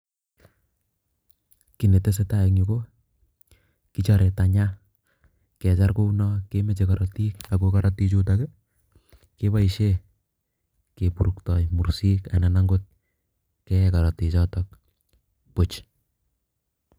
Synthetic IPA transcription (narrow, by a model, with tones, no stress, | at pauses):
ki˨ne˨te˦s̬e˦ta˦ek̚ɲiko˦ | kit͡ʃaɾe˨ta˨ɲa˦ | kɛ˨t͡ʃa˦rko˦unɔkeme˦t͡ʃekaɾɔti˦ka˨kokaɾɔti˦t͡ʃu˦t̬akɛ˦ | ke˦βa˦iʃe˦ | ke˨pu˨ɾu˨ktɔ˨jmu˨ɾsi˦kana˨naŋɡot̚ | kɛkaɾɔ˨ti˨t͡ʃɔtɔk̚ | pot͡ʃ